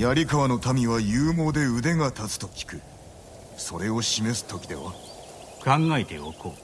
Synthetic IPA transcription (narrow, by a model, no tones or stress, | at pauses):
jaɾʲikaβano̞t̪amʲiβajɯːmo̞ːd̪e̞ɯ̟d̪e̞ŋat̪at͡sɨ̥t̪o̞kʲi̥kɯ̟ | so̞ɾe̞o̞ɕime̞sɨ̥t̪o̞kʲid̪e̞̰βa̰ | kãŋɡaet̪e̞̰oko